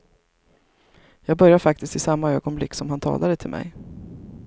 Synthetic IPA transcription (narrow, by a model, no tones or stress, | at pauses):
jɑːɡbœɾjaɾfak̚t̪ɪst̪ɪsamːaøːɡɔnblɪkːsɔmhant̪ʰɑ̰ːlaɾət̪ʰɪlmɛ̰j